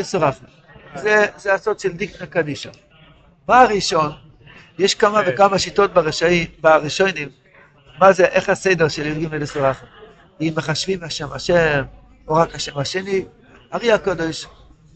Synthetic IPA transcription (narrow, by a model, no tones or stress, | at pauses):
esoʁaχe | zezeasotʃeld̪iknakad̪iʃa | maaʁiʃo̞n | jeʃkamavekamaʃito̞t̚baʁeʃaibaʁiʃojnimː | azeʔeχhasejdeʁʃeliʁɡimlelesoʁaχem | imːeχaʃvimhaʃemhaʃem | oʁakhaʃemhaʃeni | haʁiakod̪e̞ʃ